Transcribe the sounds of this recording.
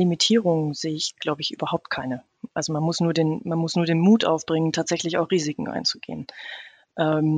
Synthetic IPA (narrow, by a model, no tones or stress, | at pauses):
imitʰiːʁʊŋz̥eːəɪçɡ̥laʊbəɪçʔy̰ːbɐhaʊp̚t̚kʰaɪnə | ʔalzomanmʊsnuːɐdeːnmanmʊsnuːɐdeːnmuːtʔa̰ʊfb̥ʁɪŋəntʰaːtz̥ɛçlɪçaʊxʁ̥iːzɪkŋ̩ʔa̰ɪnt͡suɡ̥ḛːən | ʔɛm